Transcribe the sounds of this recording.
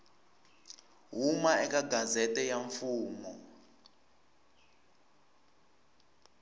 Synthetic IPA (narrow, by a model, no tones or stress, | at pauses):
ɦumaɛkaɡazɛtɛjaɱfuːmɔ